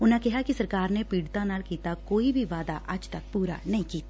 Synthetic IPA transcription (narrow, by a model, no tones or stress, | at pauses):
ʊnɦẽkɛɦakisɐɾkaːɾnepiːɽt̪ãnaːlkiːt̪akoːibʱiʋaːd̪a̰ʔɐd͡ʒt̪ɐk̚puːɾa̰nɐɦĩkiːt̪ː